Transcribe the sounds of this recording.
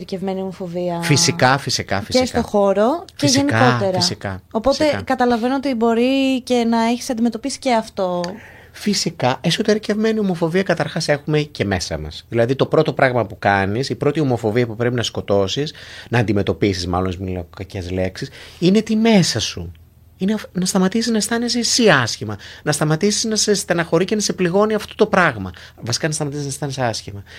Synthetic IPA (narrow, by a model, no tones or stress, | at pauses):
ɾcevme̞niomo̞fo̞viɐfisikɐfisikɐfisest̪o̞xo̞ɾo̞fcieʝeniko̞t̪e̞ɾfiɐsikɐopo̞se̞kɐt̪ɐlɐvenoot̪ibo̞ɾice̞nɐeçi̥sɐnd̪ime̞t̪o̞pisi̥ceɐft̪o̞ | fisikɐʔesot̪eɾice̞vme̞niomo̞fo̞viɐkɐt̪ɐɾxɐse̞xumece̞me̞sɐ̰mɐ̰sðilɐðit̪o̞pɾo̞t̪o̞pɾɐɣmɐpukɐnisipɾo̞t̪io̞mo̞fo̞viɐpupɾe̞pinɐsko̞t̪o̞sisnɐːnd̪ime̞t̪o̞pisizmɐ̰lont̪izmilokɐcezle̞ksisine̞t̪ime̞sɐsṵ | inenɐst̪ɐmɐt̪isiznɐst̪ɐnesesiɐsçimɐnɐst̪ɐmɐt̪isiznɐsest̪ɐnɐxo̞ɾice̞nɐsepliɣo̞niɐft̪o̞t̪o̞pɾɐɣmɐ | vɐsi̥kɐnɐst̪ɐmɐt̪isiznɐst̪ɐnesɐsçimɐ